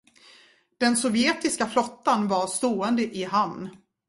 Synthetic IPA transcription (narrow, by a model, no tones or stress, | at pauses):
d̪̥ɛnsɔvjɛːt̪ɪskaflɔt̪ːanvaɾst̪oːɛnd̪əʔɪɦamn